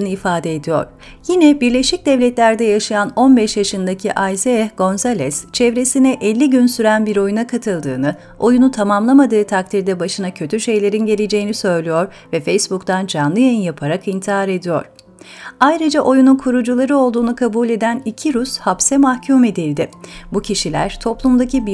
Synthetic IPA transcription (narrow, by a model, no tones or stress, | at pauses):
nɯifaːd̪ɛed̪ijo̞̰ɾ̥ | jinɛbiɾlʲeʃic̚d̪ɛvlʲɛt̪lʲæɾd̪ɛjaʃajano̞nbɛʃjaʃɯnd̪acʰiʔajzeɛɡo̞nzalʲɛst͡ʃʰɛvɾe̞sinɛʔɛlʲːiɟynsyɾænbiɾo̞junakʰat̪ʰɯlˠd̪ɯ̰ːnɯ | o̞junut̪ʰamamlˠamad̪ɯːt̪ʰak̚t̪ʰiɾd̪ɛbaʃɯnacʰø̞t̪ʰyʃe̞jlʲe̞ɾinɟe̞lʲe̞d͡ʒe̞jinisø̞jlʲijo̞ɾ | vɛfejsbukt̪ʰand͡ʒanlˠɯjejinjapʰaɾakint̪ʰiaɾe̞d̪ijo̞̰ɾ̥ | ajɾɯd͡ʒaʔo̞jununkʰuɾud͡ʒulˠaɾɯo̞lˠd̪uːnukʰabuːlʲe̞d̪ænicʰiɾushapsɛmahcʰuːme̞d̪ilʲd̪ɪbucʰiʃilʲæ̰ɾ̥t̪ʰo̞plˠumd̪acibi